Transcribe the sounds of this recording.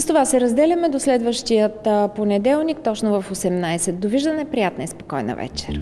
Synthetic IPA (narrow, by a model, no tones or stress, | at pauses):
st̪ovasɛɾɐzd̪ɛlʲɐmɛd̪oslɛd̪vəʃt̪ijət̪ponɛd̪ɛlˠnikt̪ɔt͡ʃnʊvɐfosɛmnajsɛt̪̚d̪oviʒd̪ənɛpɾijat̪nəispokɔjnə̰vɛ̰t͡ʃɛɾ